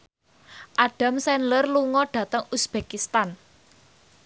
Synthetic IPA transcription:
ʔaɖ̥a̤msɛnlərluŋɔɖ̥a̤t̪əŋusb̥ekist̪an

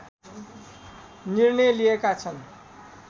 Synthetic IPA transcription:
nirnʌjliekat͡sʰʌn

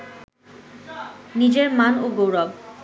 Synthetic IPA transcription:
nid͡ʑeɾmanoɡowɾɔb

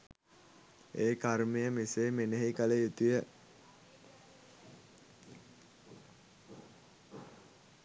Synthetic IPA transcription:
eːkaɾmejəmiseːmeneɦikələjut̪ujə

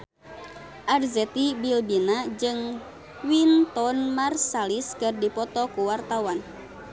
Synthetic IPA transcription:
ʔarzɛt̪ibilbinad͡ʒɨŋ | wint̪ɔnmarsaliskɨrdipɔt̪ɔkuwart̪awan

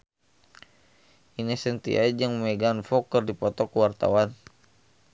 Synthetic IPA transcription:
inɛsənt̪ḭa̰d͡ʒəŋmɛɡanfɔkərdipɔt̪ɔkuwart̪a̰wan

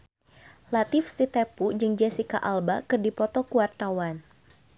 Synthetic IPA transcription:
lat̪ɪfsit̪epud͡ʒɨŋd͡ʒasikaʔalbakɨrdipɔt̪ɔkuwart̪awan

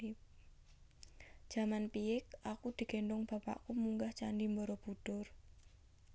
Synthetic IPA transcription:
d̥ʒ̥a̤manpiɪk̚akud̪̥i̤ɡke̤ɳɖʊŋb̥a̤pa̰ʔkumuŋɡaht͡ʃanɖimbɔɾɔb̥ud̪̥ʊr

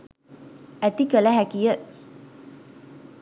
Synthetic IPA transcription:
æt̪ikələɦækijə

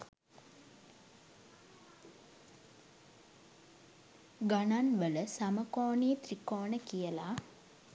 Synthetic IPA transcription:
ɡananʋələsaməkɔːniːt̪ɾikɔːnəkijəla

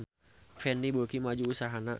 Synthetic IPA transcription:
n | fɛndibokimad͡ʒuːsaɦana

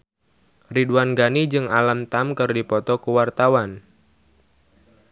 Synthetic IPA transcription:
riduanɡanid͡ʒɨŋalamt̪amkɨrdipɔt̪ɔkuwart̪awan

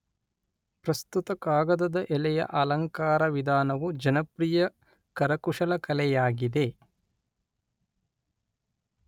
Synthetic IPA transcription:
pɾɐst̪ut̪ɐkaːɡɐd̪ɐd̪ɐʔɛlɛjɐ̰ʔɐlɐŋkaːɾɐʋid̪ʱaːnɐʋud͡ʒɐnɐpɾijɐ | kɐɾɐkuʂɐlɐkɐlɛjaːɡid̪e̞

